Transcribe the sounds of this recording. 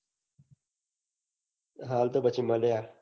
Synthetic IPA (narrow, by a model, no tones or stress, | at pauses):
ɦaːlt̪obət͡ɕimɐlejaː